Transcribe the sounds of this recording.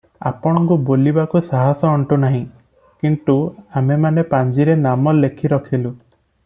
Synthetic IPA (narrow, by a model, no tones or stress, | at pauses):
a̰pɔɽ̃ɔŋkubolibakusaɦɔsɔːɳʈunaɦĩ | kint̪uamemanepaɲd͡ʒiɾenamɔlːekʰiɾɔkʰilu